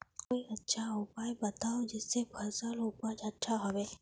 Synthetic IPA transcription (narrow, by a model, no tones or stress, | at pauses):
koːiɐtːʃʰaʊpaːjbɐt̪aːod͡ʒɪsːebʱɐɾsalupad͡ʒɐtːʃʰaɦɐweː